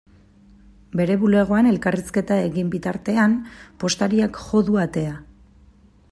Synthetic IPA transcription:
be̞ɾe̞βule̞ɣ̞o̞ane̞lkariske̞t̪ae̞ɣimbit̪aɾt̪e̞ampo̞st̪aɾiakʝo̞ðuat̪e̞a

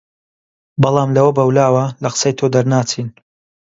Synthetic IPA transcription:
bɑlˠɑːmlɐwɐbɐwlaːwɐlɐqɨ̥sɐjt̪ʰoːd̪ɐɾnaːt͡sʰiːn

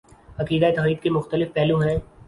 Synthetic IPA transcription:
ɐqiːd̪aet̪ɐqɾiːd̪̚kemʊxt̪əlɪfpɛːlũɦɛ̃ː

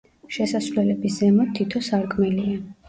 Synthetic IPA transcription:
ʃɛsasvlɛlɛbisz̥ɛmɔt̪ʰit̪ʰɔsaɾkʼmɛlia

